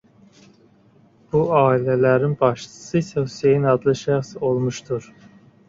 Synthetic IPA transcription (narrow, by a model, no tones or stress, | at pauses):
b̥uɑːilɛlæɾinbɑʃtʰɯ̥sɨsɛhusejinɑd̪lˠɯʃæxsolˠmuʃt̪ʰuɾ